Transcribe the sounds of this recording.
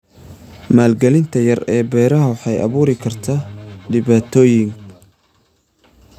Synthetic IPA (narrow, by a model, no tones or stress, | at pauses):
maːlɡɛlɪnt̪ʰɐjɐrɛːbɛːɾɐɦɐwħɑjʔɐ̰βuːɾɪkʰɐrt̪ʰaːɖɪβaːt̪ʰɔːjɪŋ